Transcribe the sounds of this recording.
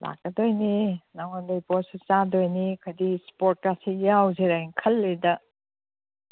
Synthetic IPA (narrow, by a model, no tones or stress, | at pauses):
lʔa̰k̚ːɐdojninaŋondɐjpoɾsut͡ʃadojnikʰɐdispoɾt̚kasijawzeɾajnkʰɐlːedɐ